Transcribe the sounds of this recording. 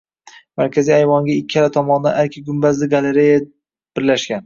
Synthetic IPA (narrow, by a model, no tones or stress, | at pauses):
maɾkʲʰaziajvɒŋɡʲaɪkʲʰːaɾat̪ʰɒmɒnd̪a̰naɾkʲʰaɡʲʊmbazlɪɡaleɾeja | b̥ɪɾlaʃɡʲan